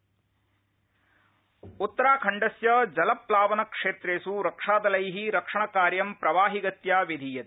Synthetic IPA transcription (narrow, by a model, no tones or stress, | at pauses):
ut̪ːɐɾaːkʰɐɳɖɐsjɐd͡ʒɐlɐplaːʋɐnɐkʂeːt̪ɾeːsuɾɐkʂaːd̪ɐlɐjɦiɾɐkʂɐɳɐkaːɾjɐmpɾɐʋaːɦiɡɐt̪jaːʋed̪ʱiːjɐt̪